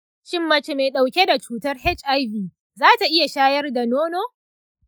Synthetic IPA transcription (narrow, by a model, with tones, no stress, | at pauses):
ʃɪ˦mːɐ˦t͡ʃe˨ma˨ɗa˨wkʲe˦da˨t͡ʃuː˦tɐ˦rhɛ˦t͡ʃʼʔa˦jbiː˨ | zaː˦ta˨ʔɪ˦ja˨ʃaː˦jɐ˦rda˨noː˦noː˦